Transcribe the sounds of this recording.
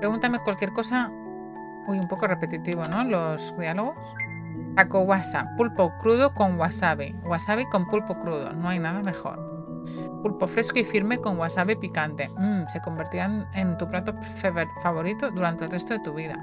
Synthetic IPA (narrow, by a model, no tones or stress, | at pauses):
pɾeɣunt̪amekwalkje̞ɾko̞sa | ojumpo̞korepe̞t̪it̪iβ̞ono̞lo̞sðjaloɣ̞os | takoɣwasapːulpokɾuðoko̞ŋwasaβi | ɣwasaβikompulpokɾuð̞o̰noajnað̞ame̞xo̞̰ɾ | pulpo̞fɾe̞skoifiɾme̞ko̞ŋɡwasaβipikant̪e̞m̩se̞ko̞mbe̞ɾt̪iɾanent̪uplat̪o | fefaβ̞o̞ɾit̪oðuɾant̪elrest̪oðe̞t̪uβ̞iða̰